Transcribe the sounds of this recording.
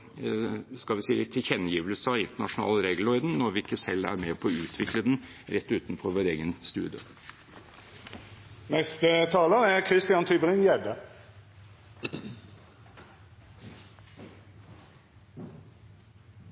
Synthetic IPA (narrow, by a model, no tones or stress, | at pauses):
skɑlʋɪsiːt̪ʰɪçɛnːjiːʋəlsəɑɪnt̪əɳɑʂʊnɑ̰ːləɾeːɡlɔɪd̪n̩nɔɾʋɪɪkːəsɛlːæ̰ɾmɛpʰɔɔʉːt̪ʰʋɪkləd̪ɛn | ɾɛt̪ːʉːt̪nfɔɾʋoːɾeːɡənst̪ʉ̰ːd̪jə̰ | nɛst̪ət̪ʰɑːləʁækʰɾɪst̪ɪɑnt̪ʰyːbəʁɪnjæɖə